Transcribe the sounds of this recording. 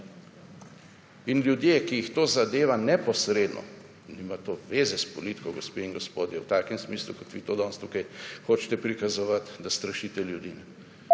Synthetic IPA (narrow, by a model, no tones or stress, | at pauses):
inljud̪jeːkijixt̪oːzad̪eːʋanɛpɔsɾeːd̪nɔ̰ | nimat̪oʋeːzɛspɔlit̪i̥kɔɡospeiŋɡɔspoːd̪jɛwt̪aːkɛmsmiːslṵkɔt̪ʋiːt̪oːd̪ɔnst̪ukajxoːt͡ʃt̪ɛpɾikazɔʋat̪d̪ast̪ɾɐʃiːt̪ɛljud̪inɛ